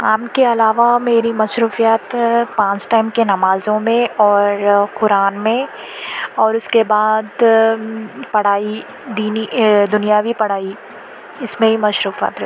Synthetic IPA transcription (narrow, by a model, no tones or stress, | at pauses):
aːmkeɐlaːʋameːɾimɐʃɾuːfijat̪pãːt͡ʃʈaːɪmkenɐmaːzõmẽɔːɾqʊɾaːnmẽ | ɔːɾʊskebaːd̪ | pɐɽ̤aːi | d̪iːnid̪ʊnijaʋʱipɐɽ̤aːi | ɪsmẽɦimɐʃɾuːfa̰ːt̪